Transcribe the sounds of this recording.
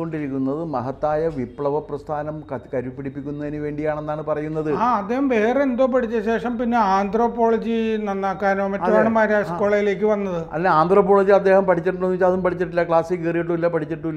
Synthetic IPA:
oɳɖiɾikʲːunːɐðɨmɐɦɐt̪ːaːjɐʋipɭɐʋɐprɐst̪ʰaːnɐmkɐkɐɾupːiɽipːikʲːunːɐðinɨʋe̞ːɳɖijaːɳe̞nːaːɳɨpɐrɐjunːɐðɨaːɐd̪ːeːɦɐmʋe̞ːreend̪oːpɐʈʰit͡ɕːɐɕe̞ːʂɐmpinːe̞aːnd̪ʱro̞ːpːo̞ːɭɐd͡ʑinɐnːaːkːaːnoːmeɐɐʋeːɳɐmaːɾaskoːɭɐjile̞ːk̬ʲːɨʋɐnːɐðɨɐ̰leaːnd̪roːpːoːɭɐd͡ʑiɐd̪ːe̞ːhɐmpɐʈʰit͡ɕːiʈːunonːuʋit͡ɕːaɐðumpɐʈʰit͡ɕːiʈːilːɐkɭaːsikːɐrijiʈːuilːɐpɐʈʰit͡ɕːiʈːuː

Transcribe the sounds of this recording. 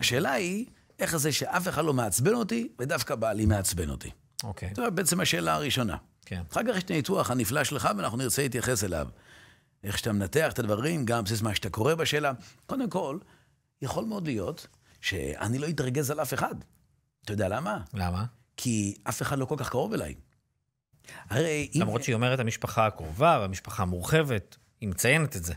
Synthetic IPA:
aʃe̞ːlai | ʔe̞χzeʃeʔafeχad̪lo̞meat͡sbeno̞t̪ived̪afkabalimeat͡sbeno̰t̪ḭ | oketometbeet͡semhaʃe̞ːlaːʁiʃo̞na̰ | kenχakaχʃt̪aituaχaniflaʃleχaveanaχnuniʁt͡selhit̪̬jaχe̞sela̰v | eχʃe̥t̪amenate̞aχetadvaʁimɡambsizmaʃe̥t̪ako̞ʁe̞baʃeːlako̞d̪emko̞l | jaχo̞lmeo̞d̪lijo̞t̪ | ʃḛa̰nilo̞itʁɡe̞zalafe̞χad | t̪ajod̪ealamalama | kʰiafe̞χadlo̞ko̞lkaχkaʁo̞vela̰j | haʁejʔilamʁot͡ʃʃeio̞meʁethamiʃpaχaakʁovaveamiʃpaχaːmuʁχevet | himet͡sajenet̪etze

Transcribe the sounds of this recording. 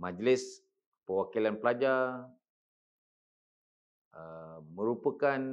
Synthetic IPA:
mad͡ʒlɪs | pəwakilanpəlad͡ʒa | əmə̃ɾupəkan

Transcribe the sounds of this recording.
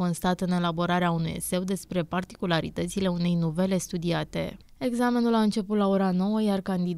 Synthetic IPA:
o̞nst̪at̪ɨne̞labo̞ɾaɾeaunujḛse̞wd̪e̞spɾe̞part̪i̥kulaɾḭt̪ət̪sile̞une̞jnuve̞le̞st̪ud̪iat̪e̞̰ | e̞ɡzame̞nulaɨnt͡ʃe̞put̪lao̞ɾano̞wəjarkand̪id̪

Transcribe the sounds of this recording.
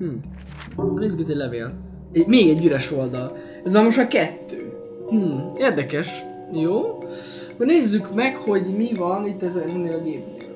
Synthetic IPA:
hmm̩ː | neːzːykit̪ːoɟʲlɛveːl | ɛmeːɡɛɟːyɾɛʃo̞ld̪ɒl | ɛzʋɒlmo̞ʃt̪ɒkɛt̪ːøː | hm̩eːrd̪ɛkɛʃ | joː | hoɟneːzːykmɛkho̞ɟmivɒnit̪ːɛzɛɛneːlɒɡeːp

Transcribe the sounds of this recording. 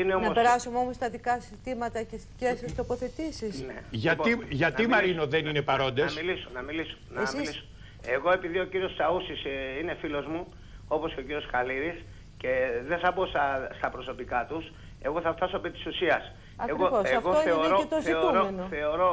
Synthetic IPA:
ineonɐospeɾɐsumeo̞most̪ɐðikɐsit̪imɐt̪ɐcescesest̪o̞po̞θe̞t̪isisneʝɐiʝɐt̪immɐɾino̞ðenine̞pɐɾo̞nd̪esilisonɐmiliso̥nɐmiiso̥ | eɣo̞e̞piðio̞ciɾio̞st̪ɐusisinefilo̞zmu | o̞po̞sceociɾio̞sxɐliɾis | ce̞ðeθɐbo̞sɐst̪ɐpɾoso̞pikɐt̪us | e̞ɣo̞θɐft̪ɐsoepit̪i̥susiɐs | ɐkeɣooseɐfɣooeoɾoet̪oziouɾomenoθe̞oɾo̞

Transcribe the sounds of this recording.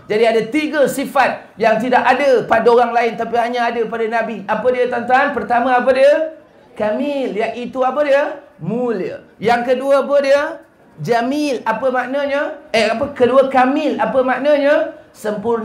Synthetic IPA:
d͡ʒadiadat̪iɡəsifat̪̚ | jaŋt̪idakadəpadaoɾaŋlaɪnt̪apiɦaɲaadəpadanãbiapədiət̪ant̪aanpərt̪amãap̬ədiə | kamɪljaʔit̪uapədiə | muliə̰ | jaŋkəduəpədiə | d͡ʒamilapəmaʔnaɲəəap̬əkəduəkamɪlapəmaʔnaɲəsəmpur

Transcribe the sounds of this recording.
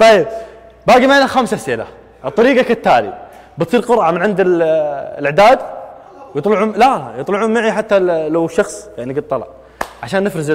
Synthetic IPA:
t̪ˤɑb | baːɡimaʕiːnaxamsasiːla̰ | t̪ˤːɑɾiːɡakat̪ːaːlḭ | bɨt̪sˤiːɾqʊɾʕamɪnʕɪnd̪ɪllɪʕd̪aːd̪ | wjɨt̪ˤlʊʕulajɨt̪ˤlʊʕuːnmaʕiħat̪ːalawʃːɑxsˤjaʕniɡɪd̪̚t̪ːˤɑlɑ̰ʕ | ʕaʃaːnːɪfɾɪz

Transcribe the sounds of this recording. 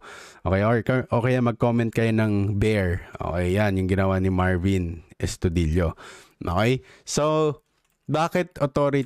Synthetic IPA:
ʔoːkɛjʔoɹkɐʔoːkɛjɐmɐɡ̚koːmɛnt̪̚kɐjonɐŋbɛɹʔo̰ːkɛjːanjʊŋɡɪnɐwanɪmaɹvinʔɛst̪ʊd̪iljoʔo̰ːkɛjso | baːkɛt̪̚ʔot̪oːɾɪ

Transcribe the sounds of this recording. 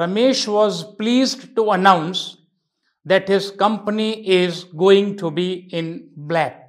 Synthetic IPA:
ɾɐmeːʃʋɔːzpliːzɖʈuənãʊ̃ns | d̪ɛʈhɪzkʌ̃mpəniʔɪzɡoːɪ̃ŋʈʰubiɪ̃nblæk̚

